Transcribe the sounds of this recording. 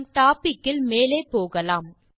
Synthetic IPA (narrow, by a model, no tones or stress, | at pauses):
mʈaːpɪkːɪlmeːleːpoːɣɐlaːm